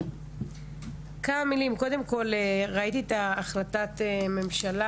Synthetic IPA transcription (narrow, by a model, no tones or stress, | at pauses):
kamamilimko̞de̞mko̞leʁait̪iet̪aːχlatat̪eme̞mʃala